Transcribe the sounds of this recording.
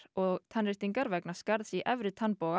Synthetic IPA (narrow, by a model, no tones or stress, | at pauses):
ɔɣt̪ʰanɾɪht̪iŋkaɾvɛknḁskaɾðsiʔɛvɾɪt̪ʰanpowɣa